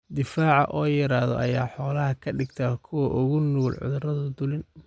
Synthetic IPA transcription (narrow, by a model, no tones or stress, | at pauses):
d̪ɪfaːʕɑ̰ʔɔːjɐɾaːðɔ̰ʔɐjaːħɔːlɐɦɐkʰɐɖɪɡt̪ʰɐkʰʊwɔʔʊɣʊnuːlʕʊ̰ðʊrɐðɐd̪ʊlɪn